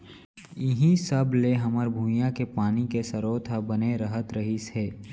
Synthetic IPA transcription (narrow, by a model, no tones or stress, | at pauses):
ɪɦĩsɐbleɦɐməɾbʱumijãkepaːnikesɐɾoːt̪ʰabəneɾəɦət̪ɾəɦiseː